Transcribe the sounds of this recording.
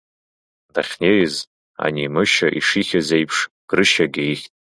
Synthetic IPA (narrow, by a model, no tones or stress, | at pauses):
daχʲnejz | a̰nimɨʃaʔiʂiχʲazejpʰʂ | ɡ̥rɨʃaɡʲejxʲtʼ